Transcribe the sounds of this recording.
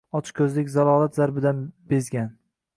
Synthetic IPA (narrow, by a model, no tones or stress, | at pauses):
ɒt͡ʃkʰɵzlɪkʲzalˠɒːlˠat̪zaɾbɪd̪anbezɡʲan